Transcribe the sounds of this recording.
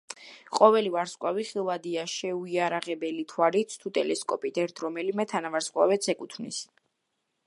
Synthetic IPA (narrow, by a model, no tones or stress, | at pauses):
qʼɔvɛlivaɾskʼwaviχilˠvad̪iaʃɛuiaɾaʁɛbɛlit̪ʰwalit̪sʰt̪ʰut̪ʼɛlɛskʼɔpʼit̪ʰɛɾt̪ʰɾɔmɛlimɛt̪ʰanavaɾsqʼwa̰vɛt̪sʰɛkʼut̪ʰmnis